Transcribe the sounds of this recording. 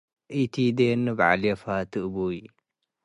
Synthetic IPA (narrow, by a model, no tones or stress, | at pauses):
ʔit̪ʰid̪enːɨbʕa̰lefat̪ʰɨʔbui